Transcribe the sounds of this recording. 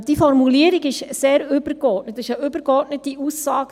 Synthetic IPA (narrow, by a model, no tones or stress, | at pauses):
d̥ifɔrɾmuliəɾiɡɪʃseːɾʏb̥əɾkɔtnətɪʃəʔʏbəɾɡɔɾtnətːiʔusːɑːɡ